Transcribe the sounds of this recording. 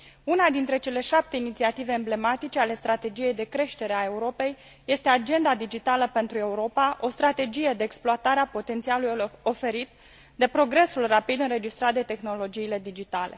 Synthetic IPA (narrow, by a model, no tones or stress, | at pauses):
unad̪int̪ɾe̞t͡ʃe̞le̞ʃap̚t̪e̞init̪siat̪ive̞ːmble̞mat̪it͡ʃe̞ale̞st̪ɾat̪e̞d͡ʒije̞jd̪e̞kɾe̞ʃt̪e̞ɾe̞ae̞uɾo̞pe̞jː | e̞st̪ead͡ʒe̞nd̪ad̪id͡ʒit̪aləpe̞nt̪ɾue̞uɾo̞paʔo̞st̪ɾat̪e̞d͡ʒije̞d̪e̞ːksploat̪aɾeapo̞t̪e̞nt̪sialujo̞fe̞ɾit̪ | d̪e̞pɾo̞ɡɾe̞sulrapid̪ɨnɾe̞d͡ʒist̪ɾat̪̚d̪e̞t̪e̞xno̞lo̞d͡ʒiːle̞d̪id͡ʒit̪ale̞̰